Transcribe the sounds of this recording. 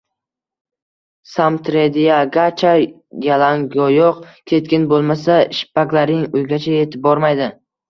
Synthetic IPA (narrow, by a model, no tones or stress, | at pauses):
samt̪ʰɾed̪ijaɡat͡ʃʰa | jalaŋɡɒjɒqkʲʰe̞t̪̚kʲɪnbolˠmasaʃɪ̥pakʲlaɾɪŋʊjɡʲat͡ʃʰaje̞t̪ʰɪp̚bɒɾmajd̪ɪ